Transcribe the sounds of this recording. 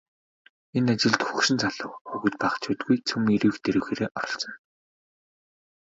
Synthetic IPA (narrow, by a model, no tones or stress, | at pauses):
enat͡ɕɪ̆ɮt̪xuxʃɪ̆nt͡saɮə̰̆ːwxuɣŭt̪̚paːχt͡ɕʰuːt̪ɡujt͡sʰɵmiɾiːxt̪eɾɘ̆ːwxeːɾeːʔɔɾɞ̆ɬt͡sɞ̆n